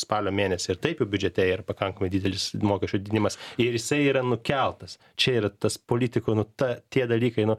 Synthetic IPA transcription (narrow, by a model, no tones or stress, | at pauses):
spɑːlʲoːmʲeːnʲɛsʲɪɪɾt̪ɐɪpjɛʊbʲʊd͡ʒʲɛt̪ʲɛiːɾɐpɐkɐŋkɐmɐɪd̪ʲiːd̪ʲɛlʲɪsmoːkʲɛʃʲt͡ʃʲʊd̪ʲd̪ʲnʲɪmɐsɪɾjɪsɐɪiːɾɐnʊkʲɛlˠt̪ɐs | t͡ʃʲɛiːɾɐt̪ɐspoːlʲiːt̪ʲɪkonʊt̪ɐt̪ʲiɛd̪ɐlʲiːkɐɪnʊ